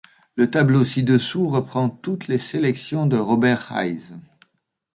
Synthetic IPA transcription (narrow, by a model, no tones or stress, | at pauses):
lət̪ablosid̪əsuʁəpχɑ̃t̪ut̪leselɛksjɔ̃d̪əʁɔbɛʁha̰jz